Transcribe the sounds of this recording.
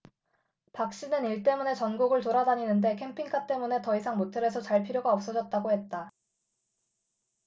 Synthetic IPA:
pak̚ɕ͈inɯniɭt͈e̞mune̞t͡ɕʌnɡoɡɯɭtoɾadaɲinɯnde̞kʰe̞mpʰiŋkʰat͈e̞mune̞tʌisʰaŋmotʰeɾe̞s̬ʰʌt͡ɕaɭpʰiɾjoɡaʌp̚s͈ʌd͡ʑʌt̚t͈aɡohe̞t̚t͈a

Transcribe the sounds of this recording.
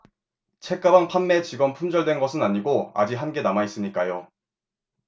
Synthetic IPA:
t͡ɕʰe̞k͈abaŋpʰanme̞t͡ɕiɡʌnpʰumd͡ʑʌɭdwe̞nɡʌsʰɯnaɲiɡoa̰d͡ʑiɦanɡe̞namais͈ɯmɲik͈ajo

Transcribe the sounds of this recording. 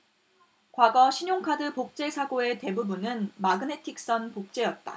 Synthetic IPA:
kwaɡʌɕʰiɲoŋkʰadɯpok̚t͡ɕ͈e̞sʰaɡoe̞te̞bubunɯnmaɡɯne̞tʰik̚s͈ʌnpok̚t͡ɕ͈e̞jʌt̚t͈a̰

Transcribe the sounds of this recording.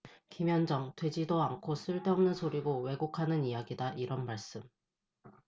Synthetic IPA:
kimjʌnd͡ʑʌŋtwe̞d͡ʑidoaŋkʰos͈ɯɭt͈ʌmnɯnsʰoɾiɡowe̞ɡokʰanɯnijaɡidaʔiɾʌnmaɭs͈ɯm

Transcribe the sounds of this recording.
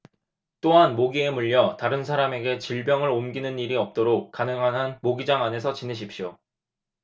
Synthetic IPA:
t͈oɦanmoɡie̞muʎːʌtaɾɯnsʰaɾame̞ɡe̞t͡ɕiɭbjʌŋɯɾomɡinɯniɾiʌp̚t͈oɾok̚k͈anɯŋɦanɦanmoɡid͡ʑaŋane̞s̬ʰʌt͡ɕineɕ̬ʰip̚ɕ͈jo

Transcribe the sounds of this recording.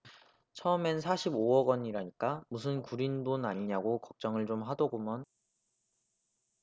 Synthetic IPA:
t͡ɕʰʌmensʰaɕʰiboʌɡwʌɲiɾaɲik͈amus̬ʰɯnkuɾinbonaɲiɲaɡokʌk̚t͡ɕ͈ʌŋɯɭt͡ɕomɦadʌɡomjʌn

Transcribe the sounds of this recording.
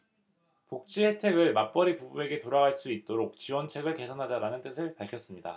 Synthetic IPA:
pok̚t͡ɕ͈ihe̞tʰe̞ɡɯɭmap͈ʌɾipubue̞ɡe̞toɾaɡaɭs͈uit̚t͈oɾok̚t͡ɕiwʌnt͡ɕʰe̞ɡɯɭke̞sʰʌnɦad͡ʑaɾanɯnt͈ɯsʰɯɭpaɭkʰʌs͈ɯmɲida̰

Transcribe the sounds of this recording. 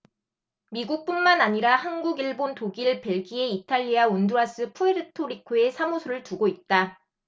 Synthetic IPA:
miɡuk̚p͈unmanaɲiɾahanɡuɡiɭbontoɡiɭpe̞ɭɡie̞itʰaʎːiaonduɾas͈ɯpʰueɾɯtʰoɾikʰoe̞sʰamosʰoɾɯɭtuɡoit̚t͈a

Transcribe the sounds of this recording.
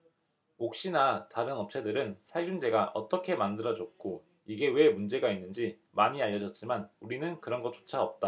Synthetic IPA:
ok̚ɕ͈inataɾɯnʌp̚t͡ɕʰe̞dɯɾɯnsʰaɭd͡ʑund͡ʑe̞ɡaʔʌt͈ʌkʰe̞mandɯɾʌd͡ʑʌt̚k͈o | iɡe̞we̞mund͡ʑe̞ɡainːɯnd͡ʑi | maɲiaʎːʌd͡ʑʌt̚t͡ɕ͈imanuɾinɯnkɯɾʌnɡʌt͡ɕ͈o̥t͡ɕʰaʌp̚t͈a

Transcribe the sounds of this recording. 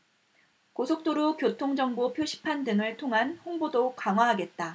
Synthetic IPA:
kosʰok̚t͈oɾokjotʰoŋd͡ʑʌŋbopʰjoɕʰi̥pʰandɯŋɯɭtʰoŋɦanɸoŋbodokaŋwaɦaɡe̞t̚t͈a

